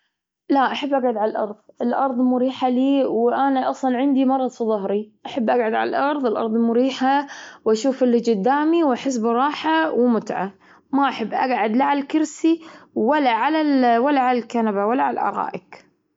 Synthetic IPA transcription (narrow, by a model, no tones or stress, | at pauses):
laʔaħabːʔaɡʕad̪ʕalalʔɑɾˤðˤɪlʔɑɾˤðˤmʊɾiːħaliːwʔanaʔɑsˤlɑnʕɪnd̪imɑɾˤɑd̪ˤfðˤɑhɾiʔaħabːʔaɡʕad̪ʕa̰la̰lʔɑɾˤðˤɪlʔɑ̰ɾˤðˤmʊɾiːħawʔaʃuːfʔɪlːid͡ʒɪd̪ːaːmiwʔaħɪs̬bɾˤɑːħawmʊt̪ʕa̰ | maʔaħɪbːʔaɡʕad̪laʕalalkʊɾsiwalːaʕalalwalːaʕalalkanabawalːaʕalaʔɑ̰ɾˤɑ̰ːʔɪk